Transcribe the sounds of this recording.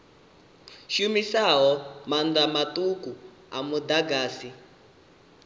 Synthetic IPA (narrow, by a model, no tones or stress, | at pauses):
ʃumisaɦɔmandamatuku | amud̪aɡaːsi